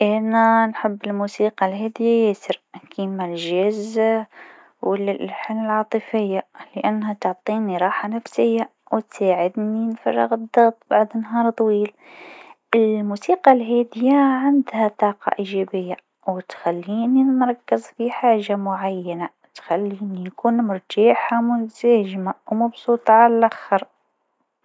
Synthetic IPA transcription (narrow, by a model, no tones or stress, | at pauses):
ʔananħɪbːɪlmuːsiːqɑlɦeːd̪ɪjajeːsɪɾkiːmalʒɪz | wɪlħɪlmɪlʕɑːt̪ˤɨfɪjːalɪʔanːhat̪ʊʕt̪ˤiːniɾˤɑːħanafsɪjːa | wt̪saːʕɪd̪ninfɑ̰rˤːɑ̰ɣɨd̪ˤːɑɣt̪ˤbaʕd̪ɪnːɦɑːɾˤt̪ˤwiːl | ʔɪlmuːsiːqɑlɦeːd̪ɪjaʕɪnd̪hat̪ˤɑːqɑ̰ʔiːʒabɪjːa | wɪt̪xalːiːninɾˤɑkːɪzfiħaːʒamʊʕajːana | t̪xalːiːnijakuːnmʊɾˤt̪iːħamʊnzaːʒmawmɑbsˤuːt̪ˤʕalalʔaxɑɾˤ